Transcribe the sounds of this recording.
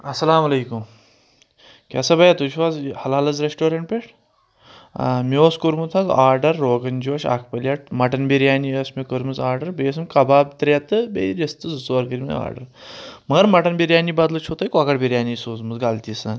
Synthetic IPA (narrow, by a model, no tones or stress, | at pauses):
ɐsɐlaːmɐlejkum | kʲɛsɐbɐjat̪uʃʋaːzhɐlɐlɐzɾesʈoːɾeɳʈ̚pʲeʈʰ | mioːskuɾmut̪ʰɐzaːɾɖɐɾːoːɡɐnd͡ʒoːʃa̰kʰpɐlʲjaʈ̚mɐʈɐnbeɾjaːniəsmikəɾmɨzaːɾɖɐɾbɐjs̬ɨmkɐbaːbt̪ɾʲaːt̪ɨbeɾɐst̪ɨzɨsoɾkəɾʲmḛa̰ːɾɖɐ̰ɾmɐɡɐɾmɐʈɐnbeɾjaːnibaːd̪lɐt͡ʃʰot̪ajkɔkɐʈbʲeɾjaːnisoːzmɐzɡaːlt̪ʲisan